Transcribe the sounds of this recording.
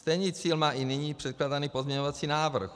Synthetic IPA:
st̪ɛjniːt͡siːlmaːʔinɪɲiːpr̝̥ɛt̪klaːdaniːpo̞zɲɛɲovat͡siːnaːvr̩x

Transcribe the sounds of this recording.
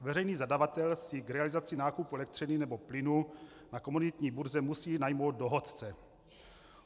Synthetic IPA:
vɛrɛjniːzadavat̪ɛlsɪɡɾɛalɪzat͡sɪnaːkupuɛlɛk̚t̪r̝̥ɪnɪnɛboplɪnu | nakomunɪt̪ɲiːbuɾzɛmusiːnajmo̞wt̪̚do̞ɦot̪t͡sɛ

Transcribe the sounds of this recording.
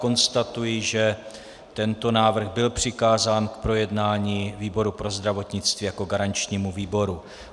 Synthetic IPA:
ko̞nst̪at̪ujɪʒɛ | t̪ɛnt̪o̞naːvr̩ɣbɪlpr̝̥ɪkaːzaːnkpɾo̞jɛdnaːɲiviːbo̞ɾupɾo̞zd̪ɾavo̞t̪ɲɪt͡st̪viːjako̞ɡaɾant͡ʃɲiːmuviːbo̞ɾu

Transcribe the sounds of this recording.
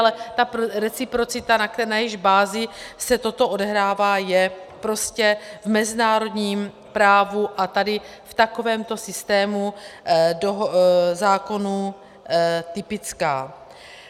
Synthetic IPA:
lɛt̪apɾɛt͡sɪpɾo̞t͡sɪt̪anaknajɪʒbaːzɪsɛt̪o̞t̪o̞ʔo̞dɛɦɾaːvaːjɛpɾo̞scɛvmɛzɪnaːɾo̞dɲiːm | pɾaːvuʔat̪adɪ | ft̪ako̞vɛːmt̪o̞sɪst̪ɛːmu | doɦzaːko̞nu | t̪ɪpɪt͡skaː

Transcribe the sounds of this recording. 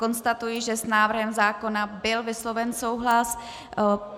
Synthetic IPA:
ko̞nst̪at̪ujɪʒɛsnaːvr̩ɦɛmzaːko̞nabɪlvɪslo̞vɛnso̞wɦlas

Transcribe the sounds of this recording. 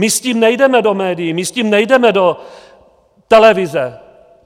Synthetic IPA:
mɪsciːmnɛjdɛmɛdo̞mɛːdɪjɛmɪsciːmnɛjdɛmɛdo | t̪ɛlɛvɪzɛ

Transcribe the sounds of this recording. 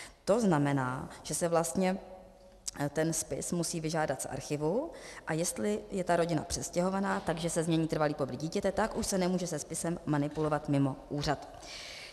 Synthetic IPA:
t̪o̞znamɛnaːʒ̥ɛsɛvlast̪ɲɛ | t̪ɛnspɪ̰smusiːvɪʒaːdat̪sʔa̰ɾxɪvuʔajɛst̪lɪjɛt̪aɾo̞ɟɪna̰pr̥ɛscɛɦo̞vanaːt̪aɡʒɛsɛzmɲɛɲiːt̪r̩valiːpobɾiɟiːcɛt̪ɛt̪akʔuʃsɛnɛmuːʒɛsɛspɪsɛmːanɪpulo̞vat̪mɪmo̞ʔuːr̝at̪

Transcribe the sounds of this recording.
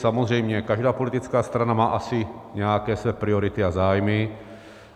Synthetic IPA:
samozr̝ɛjmɲɛkaʒdaːpo̞lɪt̪ɪt͡skaːst̪ɾanamaːʔasɪɲɛjakɛːsvɛːpɾɪoɾɪt̪ɪazaːjmɪ

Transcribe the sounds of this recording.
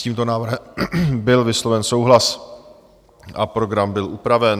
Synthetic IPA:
ciːmt̪o̞naːvr̩ɦɛbɪlvɪslo̞vɛnso̞wɦlas | ʔa̰pɾo̞ɡɾambɪlʔupɾavɛn

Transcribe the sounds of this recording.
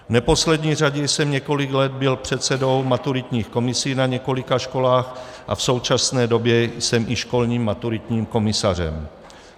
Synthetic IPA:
vnɛpo̞slɛd̪ɲiːraɟɛjsɛmɲɛko̞lɪɡlɛd̪̚bɪlpr̝̥ɛt̪sɛdo̞wmat̪uɾɪt̪ɲiːxko̞mɪsiːnaɲɛko̞lɪkaʃko̞laːxʔa̰fso̞wt͡ʃasnɛːdo̞bjɛjsɛmʔɪʃko̞lɲiːmːat̪uɾɪt̪ɲiːmko̞mɪsarɛ̰m

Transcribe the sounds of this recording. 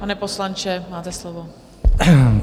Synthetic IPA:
panɛposlant͡ʃɛmaːt̪ɛslovo

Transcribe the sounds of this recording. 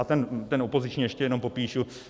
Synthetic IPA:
t̪ɛnt̪ɛnopozɪt͡ʃɲiːjɛʃcɛjɛnompo̞piːʃu

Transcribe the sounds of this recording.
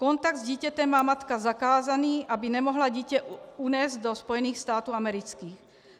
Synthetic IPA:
kɔnt̪aɡd̪zɟiːcɛt̪ɛmaːmat̪kazakaːzaniːʔabinɛmɔɦlaɟicɛunɛːzd̪ɔspɔjɛniːxst̪aːt̪uːamɛɾit͡skiːx

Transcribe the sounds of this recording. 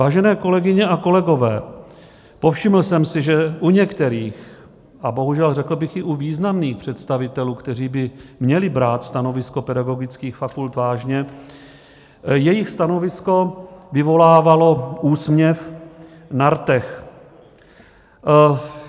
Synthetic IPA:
vaːʒɛnɛːko̞lɛɡɪɲɛʔakolɛɡo̞vɛ̰ː | po̞fʃɪml̩sɛmsɪʒɛʔuɲɛkt̪ɛɾiːx | ʔabo̞ɦuʒɛlrɛkl̩bɪxɪʔuviːznamniːxpr̥ɛt̪st̪avɪt̪ɛluːkt̪ɛriːbɪmɲɛlɪbɾaːt̪st̪ano̞vɪsko̞pɛdaɡo̞ɡɪt͡skiːxfakult̪vaːʒɲɛ | jɛjɪxst̪ano̞vɪsko̞vɪvo̞laːvalo̞ʔuːsmɲɛf | naɾt̪ɛx

